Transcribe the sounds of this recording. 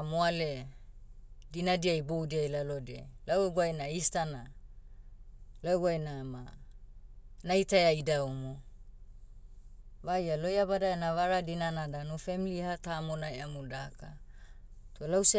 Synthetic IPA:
moale | dinadiajbowdiajlalodḛlaweɡwajnaistana | laeɡajnama | najtaeajdaumo | vajalojabadaenavaɾadinanadanufemilihatamonaeamudaka | tolawse

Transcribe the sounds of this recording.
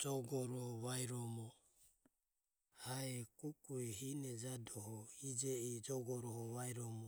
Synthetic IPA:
d͡ʒɔɡɔɾɔβaiɾɔmɔ | haɛkukuiɦinɛd͡ʒadɔhɔid͡ʒɛid͡ʒɔɡɔɾɔhɔβaiɾɔmɔ

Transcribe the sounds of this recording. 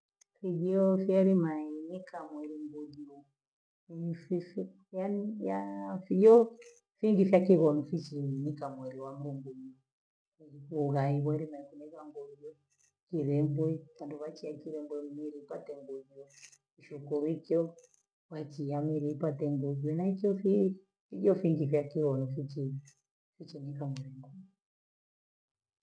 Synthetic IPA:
fid͡ʒiɔfiaɾimainikamwɛɾiŋɡudiɔ | fifi | janijafijɔ | fiŋɡifjakiɣɔnifit͡ʃiinikamwɛɾiwaŋɡɔŋɡudiɔ | uɣaiβwaɾimaikunɛβaŋɡɔdɔ | kiβɛmbwɛβanduβat͡ʃiakiβɛmbwɛmiɾiipat̪ɛŋɡud͡ʒɔ | uʃukɔɾikɔ | βat͡ʃijamɛɾiipat̪ɛŋɡud͡ʒwɛnaikɔfi | iʄɔfiŋɡifjakiɣɔnɔfit͡ʃi | fit͡ʃɛnikamwɛɾiŋɡuɲ

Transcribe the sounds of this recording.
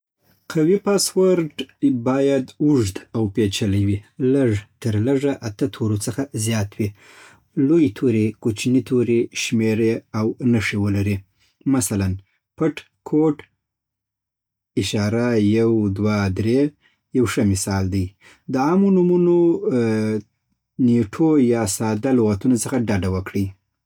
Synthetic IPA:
qʰawipɑswəɾɖbɑjad̪uʐd̪awpet͡ʃalawiləʐt̪əɾləʐaʔat̪ət̪ʰoɾot͡səxazjɑt̪wi | lojt̪ʰoɾekot͡ʃnit̪ʰoɾeʃmeɾeawnəʂewəlaɾi | masalan | pəʈ | kʰoʈ | ɪʃɑɾajawd̪wad̪ɾe | jawʂəmɪsɑld̪aj | d̪əɑmonumuno | neʈʰojɑsɑd̪aloɣat̪unot͡səxaɖaɖawəkɽij

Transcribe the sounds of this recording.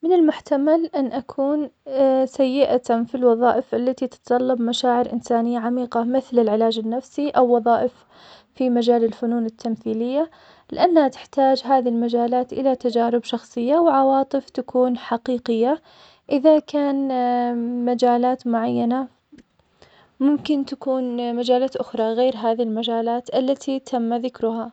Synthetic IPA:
mɪnɪlmʊħt̪amalʔanːʔakʰuːnsajːɪʔat̪afilwɑðˤɑːʔɪfʔalːat̪it̪ɪ̥t̪t̪ˤɑlːɑbmaʃaːʕɪɾʔɪnsaːnɪjːaʕamiːqɑmɪθlɪlʕɪlaːd͡ʒɪnːafsiʔawːɑðˤɑːʔɪf | fimad͡ʒaːlɪlfʊnuːnɪt̪ʰːamθiːlɪjːa | lɪʔanːhat̪ɪ̥ħt̪aːd͡ʒɦaːðilmad͡ʒaːlaːt̪ʔɪ̰lat̪ad͡ʒaːɾɪbʃɑxsˤɨjːawʕɑwɑːt̪ˤɨft̪akuːnħaqiːqɪjːa | ʔɪðakaːn | mad͡ʒaːlaːt̪mʊʕajːana | mʊmkɪnt̪akuːnmad͡ʒaːlaːt̪ʔʊxɾˤɑɣeːɾɦaːðiilmad͡ʒaːlaːt̪ʔalːat̪ʰit̪ʰamːaðɪkɾʊɦa

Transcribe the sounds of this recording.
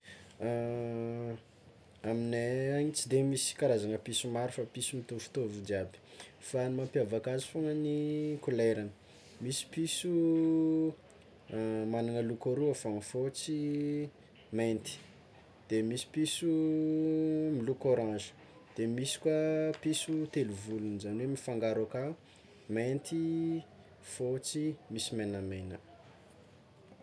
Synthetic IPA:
amineaɲit͡sid̪emisi̥kaɾazanəpisumaɾifapisumit̪ofu̥t̪ovud̪iabi̥fanimampiavakazifuŋənikuleɾanə̥ | misi̥pisu | manaŋəlukoɾuafaŋifot͡si | ment̪i̥ | d̪̥emisi̥pisu | milukoɾãʒə̥ | d̪̥emisi̥kwapisut̪eluvulunizanwemifaŋɡaɾaka | ment̪i | fot͡simisimenamejnə

